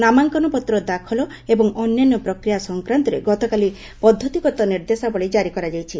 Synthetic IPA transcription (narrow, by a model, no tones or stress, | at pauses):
namaŋkɔnɔpɔt̪ɾɔd̪akʰɔlɔ | ebɔŋɔnjanːɔpɾɔkɾijasɔŋkɾant̪ɔɾḛɡɔt̪ɔkali | pɔd̪ʱːɔt̪ikɔt̪ɔniɾd̪esabɔɭid͡ʒaɾikɔɾad͡ʒajt͡ʃʰi